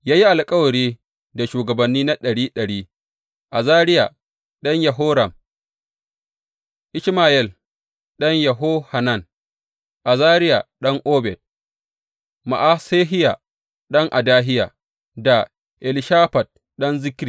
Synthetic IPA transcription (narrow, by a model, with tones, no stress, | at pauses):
jaː˦ji˦ʔa˨lkʼɐ˦wɐ˨ɽiː˦ | da˨ʃuː˨ɡɐ˨bɐ˨nːiː˦na˦ɗɐ˨ɽiː˦ɗɐ˨ɽiː˦ | ʔa˨zaː˦ɾɪ˦ja̰˨ | ɗɐ˦ɲja˨ɦoː˦ɾa˨m | ʔɪ˦ʃmaː˨jɛ˦˨l | ɗɐ˦ɲja˨ɦoː˦ha˨na˦˨n | ʔa˨zaː˦ɾɪ˦ja̰˨ɗɐ˦ŋʔoː˦bɛ˨d̚ | ma̰˨ʔa˦seː˦ɦɪ˦ja˨ | ɗɐ˦ŋʔa˨daː˦ɦɪ˦ja̰˨ | da˨ | ʔɛ˨lɪ˦ʃaː˦ɸa˨d̚ | ɗɐ˦nzɪ˦kɾi˨